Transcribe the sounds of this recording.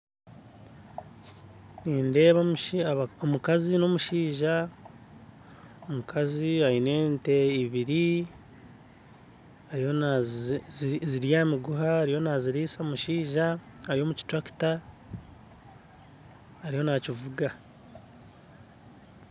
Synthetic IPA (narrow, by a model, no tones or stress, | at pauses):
niːnde̞ːβ | omukazino̞muʃiːʒa | omukʰaziaine̞ːnte̞iβiɾi | aɾijo | ziɾjaːmiɡuɦaːɾijo̞naziɾiːsamuʃiːʒaː | ɾijo̞muci̥tɾaki̥ta | ɾijo̞nacivuɡa